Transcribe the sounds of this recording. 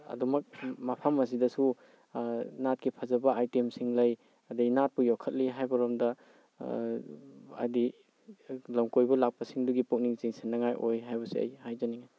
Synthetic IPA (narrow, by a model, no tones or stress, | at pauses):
ɐ̰dumɐk̚mapʰɐmɐs̬idɐsu | nat̚kipʰazɐbɐajtemsiŋlɐj | ɐdinat̚pujɔkʰɐt̚liɦajbɐɾɔmdɐ | ɐ̰di | lɐmkojbɐlak̚pɐsiŋduɡipok̚niŋt͡ʃiŋsinːɐŋajʔojɦajbɐsiɐ̰jhajzɐniŋa